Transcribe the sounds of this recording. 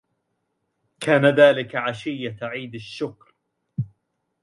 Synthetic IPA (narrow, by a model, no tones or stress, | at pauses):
kʰaːnaðaːlɪkaʕaʃɪjːaʕiːd̪aʃːʊkɾ